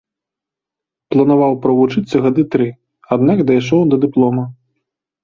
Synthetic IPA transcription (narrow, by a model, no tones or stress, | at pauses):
plˠɐnavawpɾɐvut͡ʂɨt̪sːɐɣad̪ɨt̪ɾɨ | ad̪nakd̪ajʂɔwd̪ɐd̪ɨplˠɔmɐ